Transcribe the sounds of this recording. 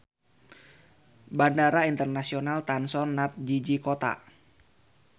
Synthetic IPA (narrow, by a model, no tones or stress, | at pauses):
bandaɾaint̪ərnasionalt̪ansɔnːat̪̚d͡ʒid͡ʒikot̪a̰